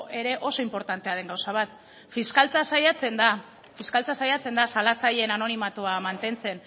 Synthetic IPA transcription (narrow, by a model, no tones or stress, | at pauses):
ʔe̞ɾe̞ʔo̞so̞impo̞ɾt̪ant̪e̞aðe̞ŋɡawsaβ̞at̪ | fiskalt͡sasajat͡se̞nd̪a | fiskalt͡sasajat͡se̞nd̪asalat͡saʎenano̞nimat̪uamant̪e̞nt͡se̞n